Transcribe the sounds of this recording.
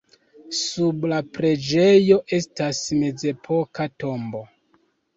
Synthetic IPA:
sublapɾe̞d͡ʒejo̞ʔe̞stasme̞ze̞pʰo̞kato̞mbo̞

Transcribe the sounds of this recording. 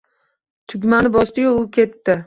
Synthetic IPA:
t̪ʰʊɡʲmanɪbɒst̪ɪjoʊkʲʰe̞t̪ːɪ

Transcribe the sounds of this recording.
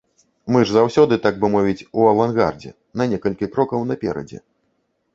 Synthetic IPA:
mɨʐzawsʲɔd̪ɨt̪aɡ̚bɨmɔvʲit͡sʲuɐvanɣa̰rd͡zʲɛ̰ | nɐnʲɛkɐlʲkʲikɾɔkɐwnɐpʲɛ̰ɾɐ̰d͡zʲɛ̰

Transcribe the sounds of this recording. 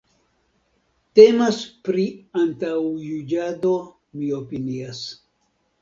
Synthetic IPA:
te̞maspɾiantawjud͡ʒado̞ | miopinias

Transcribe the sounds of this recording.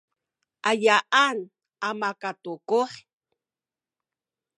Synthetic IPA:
ʔajaʔan | amakat̪okoχ

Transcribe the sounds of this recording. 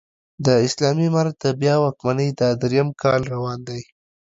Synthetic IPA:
d̪əɪslɑmimaɾ̚d̪əbjɑwɑkmanəjd̪əd̪ɾijamkʰɑlɾawɑnd̪aj

